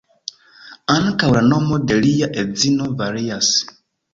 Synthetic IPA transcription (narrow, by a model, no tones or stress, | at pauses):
ankawlanɔmɔdɛlijaʔed͡zinɔvaɾias